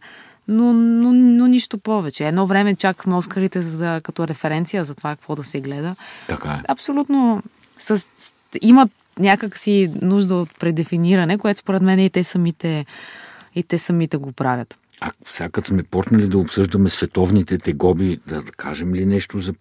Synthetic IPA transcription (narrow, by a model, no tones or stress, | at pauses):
nonononʲiʃt̪opɔvɛt͡ʃɛːd̪nɔvɾɛmɛt͡ʃakə̥xmɛɔskəɾit̪ɛzɐd̪əkɐt̪ɔɾɛfɛɾɛnt̪sijəzɐt̪ovakɐkvɔd̪ɐsɛɡlɛd̪ət̪ɐkaɛɐpsolʲut̪no | səs | imət̪ | nʲakəksinuʒd̪əot̪̚pɾɛd̪ɛfiniɾɐnɛkoɛt̪o̥spoɾɛt̪mɛnɛit̪ɛsɐmit̪ɛ | it̪ɛsɐmit̪ɛɡopɾavʲjət̪ | ɐfsʲakəsmɛpɔt͡ʃnɐlid̪ɐopsɤʒd̪əmɛsvɛt̪ɔvnit̪ɛt̪ɛɡɔbid̪ɐkʰaʒɛmlinɛʃt̪ozɐ